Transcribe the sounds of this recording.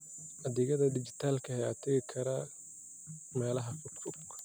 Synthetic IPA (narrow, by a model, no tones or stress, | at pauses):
ʔɐðɪɣɐðɐd̪ɪt͡ʃɪt̪ʰaːlkʰɐhɛjaːt̪ʰɐɣɪkʰɐɾɐ | mɛːlɐɦɐfʊt̪fʊb̚kʰɐ̥